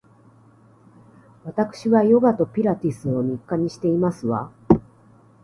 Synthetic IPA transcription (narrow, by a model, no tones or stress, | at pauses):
βat̪akɯ̥ɕiβajo̞ɡat̪o̞pʲiɾat̪ʲisɨo̞mʲikːaɲ̟iɕi̥t̪e̞imasɨβa̰